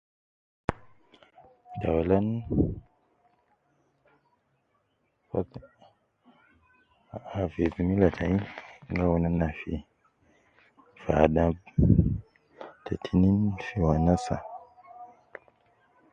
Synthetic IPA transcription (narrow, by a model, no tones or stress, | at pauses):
tawalan | fak | avebimilatʰaiŋɡawunanafḭ | fadab̚ | tatʰininfiwanasa̰